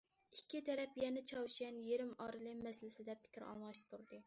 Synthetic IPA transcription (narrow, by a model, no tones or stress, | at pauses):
ikʲʰːit̪ʰɛɾɛpjɛnɛt͡ʃʰɑwʃɛnjeɾɪmɑɾɨlˠɨmɛslɪsɪd̪ɛpʰɪ̥kʲiɾɑ̰lˠmɑʃt̪ʰuɾd̪ɨ